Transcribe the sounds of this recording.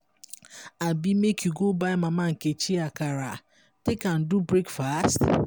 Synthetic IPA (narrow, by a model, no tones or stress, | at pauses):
abimekʰjuɡobaɪmamaŋ̩ket͡ʃiakaɾa | tekan̩dubɾekfast